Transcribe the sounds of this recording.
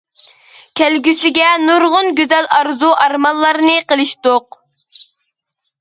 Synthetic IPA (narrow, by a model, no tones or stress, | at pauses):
kʲʰælɡʲysɪɡʲɛnuɾʁʊnɡʲyzɛlɑɾzuʔɑɾmɑlˠːɑɾnɨqəlˠɨʃt̪oq